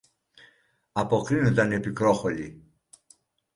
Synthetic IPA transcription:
ɐpokɾinod̪ɐnepikɾoxoli

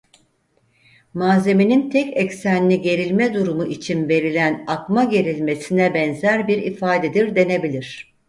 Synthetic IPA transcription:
maːze̞minint̪ʰɛcɛcsænːʲiɟe̞ɾilʲmɛd̪uɾumuʔit͡ʃʰinve̞ɾilʲænakmaɟe̞ɾilʲme̞sinɛbɛnzæɾbiɾḭfaːd̪ed̪iɾd̪e̞ne̞bilʲiɾ̝̥

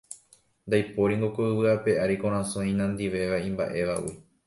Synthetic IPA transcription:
nd̪ajpoɾiŋɡokoɨʋɨape̞ʔaɾikõɾ̃ãsõĩnãnd̪iʋe̞ʋaĩmba̰ʔe̞ʋa̰ʔwḭ

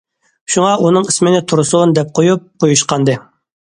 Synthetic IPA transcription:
ʃuŋɑʔunɨŋismɪnɪt̪ʰuɾusund̪ɛp̚qʰojup̚qʰojuʃqɑnd̪ɨ

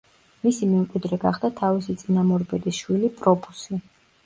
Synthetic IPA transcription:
misimɛmkʼwid̪ɾɛɡaχd̪at̪ʰavisit̪sʼinamɔɾbɛd̪isʃwilipʼɾɔpʰu̥si

